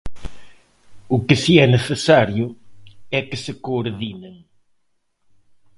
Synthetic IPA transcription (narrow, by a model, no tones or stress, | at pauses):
ʊkɨsiɛnesesaɾjʊɛkɨsɨkoːɾðineŋ